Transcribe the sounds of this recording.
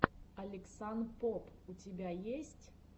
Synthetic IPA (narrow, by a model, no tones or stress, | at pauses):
ɐlʲɪksanpopʊtʲɪbʲajesʲtʲ